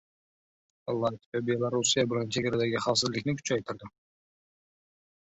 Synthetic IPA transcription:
ɑlˠːɑt̪ʰɪ̥vʲabelˠaɾusijabɪlant͡ʃʰeɡʲaɾad̪aɡʲɪχɑsɪzlɪkʲnɪkʲʰʊ̥t͡ʃajt̪ʰɪɾd̪ɪ

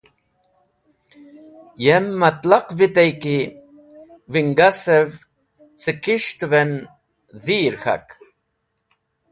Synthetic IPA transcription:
jemːɐt̪lɐqvit̪ejki | viŋɡasev | sɨkiʂt̪ven | ðiːɾxa̰k

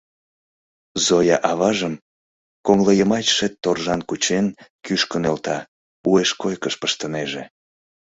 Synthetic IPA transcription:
zojɑʔɑβɑʒəm | koŋləjəmɑt͡ɕʃet̪ːorʒɑnkut͡ɕenkyʃkənelt̪ɑ | ueʃkojkəʃpəʃt̪əneʒe

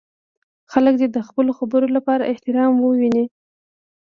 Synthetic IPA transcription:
xalək̚d̪ed̪əxpəloxabəɾolapɑɾa̰ʔɪht̪ɪɾɑmwəwini

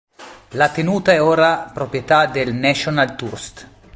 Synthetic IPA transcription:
lat̪enuːt̪aɛoːɾapɾopɾjet̪ad̪elnɛʃonalt̪urst̪

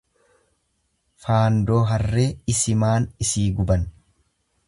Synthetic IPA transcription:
faːnd̪o̞ːɦɐrːe̞ːɪsɪmaːnɪsiːɡʊbɐn

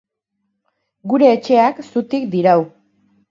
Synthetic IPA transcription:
ɡuɾe̞ːt͡ʃe̞aksut̪ikd̪iɾaw

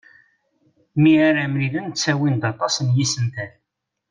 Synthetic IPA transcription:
miaɾamɾilənt͡sːæwind̪ɑt̪ˤɑsənjisənt̪æn

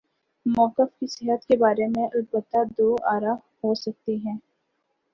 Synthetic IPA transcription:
mɔːkɪfkisɪɦət̪kebaːɾemẽʔɐlbət̪ːad̪oːaːɾa | ɦosɐk̚t̪iɦɛ̃ː

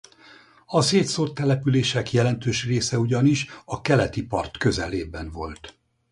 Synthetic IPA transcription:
ɒseːt̪sort̪ːɛlɛpyleːʃɛkjɛlɛnt̪øːʃreːsɛuɟɒniʃɒkɛlɛt̪ipɒ̰rt̪kø̞zɛ̰leːbɛnvo̞lt̪

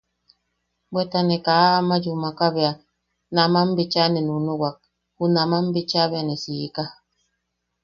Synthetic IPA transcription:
bwɛtanɛkaːmad͡ʒumakabɛa | namam̩bit͡ʃanɛnunuɡwak̚ | hunamambit͡ʃabeanɛsijika

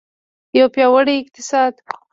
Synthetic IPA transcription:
jawpjɑwəɽiɪq̚t̪ɪsɑd̪

